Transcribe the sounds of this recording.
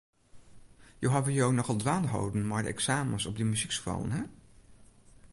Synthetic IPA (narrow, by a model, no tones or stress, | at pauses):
jowɦavijownɔχɑlˠdʋaːnɦo̰wdənmaːɹdə̰ʔɛ̰ksaːmənsɔbdəmyziksχrɑ̰lˠə̰nɦɛ